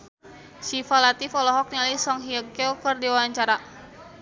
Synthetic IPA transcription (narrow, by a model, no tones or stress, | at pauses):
sifalat̪ifɔlɔɦɔk̚nialisɔŋɦiəkɛɔkərdiwawaɲt͡ʃaɾa